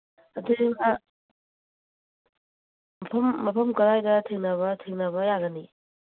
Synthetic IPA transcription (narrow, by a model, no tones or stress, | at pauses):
ɐdima | mɐpʰɐmːɐpʰɐmkɐɾajdɐtʰeŋnɐβɐtʰeŋnɐβɐjaɡɐni